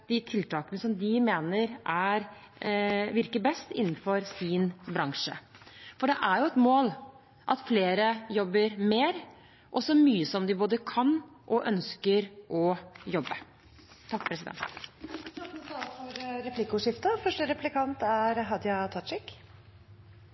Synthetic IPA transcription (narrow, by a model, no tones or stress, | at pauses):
d̪̥ɪt̪ʰɪlt̪ʰɑːkənəsɔmd̪ɪmeːnəɾʔæɾ | ʋɪɾkəbɛst̪ɪ̰nːn̩fɔɾsɪnbɾɑŋʂə̰fɔɖɛʔæɾjʊɛt̪moːl | ʔɑt̪fleːɾəjɔbːəɾmeːɾ | ʔɔsɔmyːəsɔmd̪ɪboːd̪əkʰɑnʔɔʔœnskəɾʔɔjɔbːə | t̪ʰɑkːpʰɾɛsɪd̪ɛ̰nt̪t̪ɑəsɑlfɔɾɾɛpʰlɪkːəʂɪft̪əfœʂʈəɾɛplɪkʰɑnt̪æɾɦɑd̪jɑt̪ʰɑɪk